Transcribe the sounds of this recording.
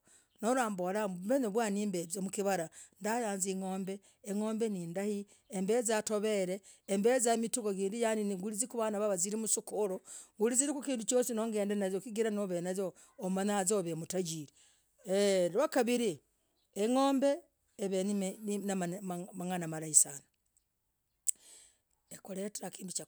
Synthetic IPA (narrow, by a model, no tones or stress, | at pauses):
nolaːmbolamuβeneβwaːniːmbeziomukiβaɾandajaːnziŋo̞ːmbe̞ː | ŋo̞ːmbe̞niːndahi | embezato̞βe̞ɾe̞ːmbezamituɡoɡiːndijaniniŋɡulizikuβanaβaβaziɾimusukoɾoŋɡuliziɾikukiːndut͡ʃoːsino̞ːŋɡe̞ːndenazokiɡiɾanoβenazoː | manazoβemutaɟiːɾi | elwakaβiɾi | eŋo̞ːmbe̞ː | βeninamaŋanamalaisana | ekoleteɾakiːndut͡ʃa